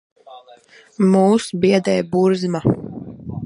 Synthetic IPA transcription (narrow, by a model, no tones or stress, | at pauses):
muːsbiɛd̪ɛjbuɾzma